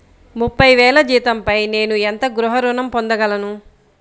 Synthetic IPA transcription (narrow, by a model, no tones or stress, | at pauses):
mupːɐjʋɛːlɐd͡ʒiːt̪ɐmpɐjne̞ːnuent̪ɐɡɾuɦɐɾunɐmpond̪ɐɡɐlɐnu